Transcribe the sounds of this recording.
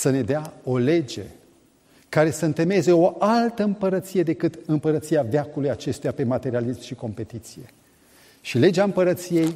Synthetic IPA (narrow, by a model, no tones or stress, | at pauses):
səne̞d̪eao̞le̞d͡ʒe̞ | kaɾe̞səɨnt̪e̞me̞ze̞o̞ʔalt̪əɨmpəɾət̪sije̞d̪e̞kɨt̪ɨmpəɾət̪sijaveakulujat͡ʃe̞st̪ujape̞mat̪e̞ɾialismʃiko̞mpe̞t̪it̪sije̞̰ | ʃile̞d͡ʒeaɨmpəɾət̪sije̞j